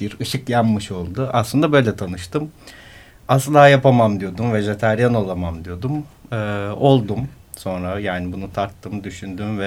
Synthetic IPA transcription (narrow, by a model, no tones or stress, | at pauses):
b̥iɾɯʃɯkjamːɯʃo̞lˠd̪ʊʔa̰slˠɯnd̪abø̞jlʲɛt̪ʰanɯʃt̪ɯm | asɯlˠaːjapamamd̪ijo̞d̪umveʒet̪ʰæɾjano̞lˠamamd̪ijo̞d̪umɯːo̞lˠd̪um | so̞nɾajaːnibunut̪ʰaɾt̪ʰːɯmd̪yʃynd̪ymvɛ